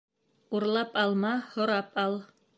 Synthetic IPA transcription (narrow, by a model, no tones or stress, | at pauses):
uɾlˠɑpɑlˠmɑhŏɾɑpɑlˠ